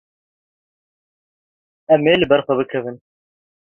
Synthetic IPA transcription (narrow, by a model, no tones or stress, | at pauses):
ɛmeːlɨbɛɾxʷɛbɨkʰɛvɨn